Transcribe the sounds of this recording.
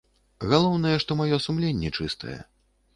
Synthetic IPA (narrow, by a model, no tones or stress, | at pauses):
ɣalˠɔwnɐjɛʂt̪ɔmajɔsumlʲenʲːɛt͡ʂɨst̪ʰɐ̰jɛ̰